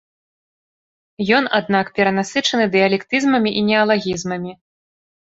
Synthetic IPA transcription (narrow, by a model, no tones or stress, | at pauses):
jɔnad̪̚nakpʲɛɾɐnasɨt͡ʂɐnɨd̪ɨjɐlʲɛkt̪ɨzmɐmʲiʔinʲɛɐlˠaɣʲizmɐmʲi